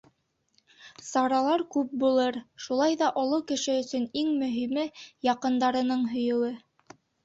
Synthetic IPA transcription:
sɑɾɑlˠɑɾkʉp̚bulˠɤɾʃulˠɑjðɑʔŏlˠɤwkɘ̆ʃɘɵ̆sɵniŋmɵ̆ɦimɘjɑqɤ̆nd̪ɑɾɤ̆nɤɴɦɵ̆jɤ̆wɘ

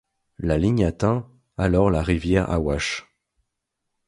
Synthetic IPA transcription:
laliɲat̪ɛ̃ | alɔʁlaʁivjɛʁa̰waʃ

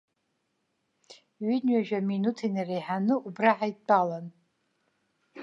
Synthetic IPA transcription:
ɥinɥaʒᶣaminutʰinirejħanɨubraħajtʼalan

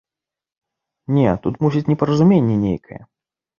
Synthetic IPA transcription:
nʲet̪ut̪musʲit͡sʲnʲɛpəɾəzʊmʲenʲːɛnʲḛjkʰɐjɛ̰

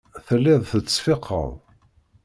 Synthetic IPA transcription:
θəlːɪðˤθət͡sːfɪqʰːə̰ðˤ

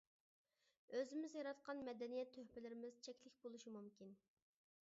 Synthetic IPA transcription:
øzɪmɪzjɑɾɑt̪qɑnmɛd̪ɛnijɛt̪ʰːøhpɪlɪɾɪmɪz̥t͡ʃʰɛkʲlɪkʲbolˠuʃimumkʲin

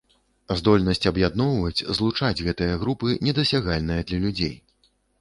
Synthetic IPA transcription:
zd̪ɔlʲnɐsʲt͡sʲɐbjad̪nɔwvɐt͡sʲzlˠut͡ʂad͡zʲɣɛt̪ɨjɐɣɾupɨnʲɛd̪ɐsʲaɣalʲnɨjɐd̪lʲɐlʲud͡zʲḛj

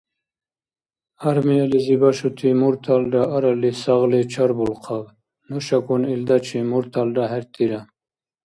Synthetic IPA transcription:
aɾmijalizibaʃut̪ʰimuɾt̪ʰalɖaaɾalisaɣlet͡ʃʰaɾbulqʰab | nuʃakunild̪at͡ʃʰimuɾt̪ʰalɖaɦeɾt̪iɾa

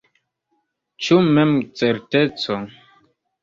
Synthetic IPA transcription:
t͡ʃumemt͡seɾtet͡so

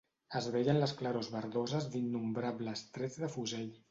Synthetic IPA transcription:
əzβɛʎənləsklaɾozβəɾðozəzd̪inːumbɾaβləst̪ɾɛd͡zðəfuzɛʎ

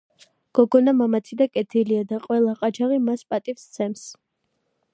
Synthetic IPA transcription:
ɡ̥ɔɡɔnamamat̪sʰid̪akʼɛt̪ʰiliad̪aqʼwɛlˠaqʼat͡ʃʰaʁimaspʼat̪ʼifst̪sʰɛms

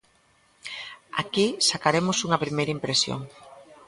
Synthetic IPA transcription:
a̰kisakaɾemʊsuŋɐpɾimejɾɐimpɾesjo̰ŋ

